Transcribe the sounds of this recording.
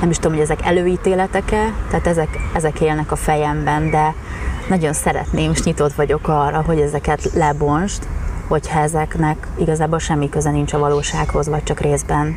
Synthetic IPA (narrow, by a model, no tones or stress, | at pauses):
nɛmiʃt̪ud̪omoɟɛzɛkɛ̰løːiːt̪eːlɛt̪ɛkɛlt̪ɛaːt̪ɛzɛkɛzɛkeːlnɛkɒfɛjɛmbɛnd̪ɛ | nɒɟo̞nsɛɾɛ̰t̪neːmeʃɲit̪o̞t̪ʋɒɟo̞kɒːrːɒɦo̞ɟɛzɛkɛt̪lɛbo̞nʃt̪ho̞chɒɛzɛknɛk | iɡɒzaːbolʃɛmːikø̞zɛnint͡ʃɒvɒloːʃaːkho̞zʋɒc̚t͡ʃɒkreːzbɛn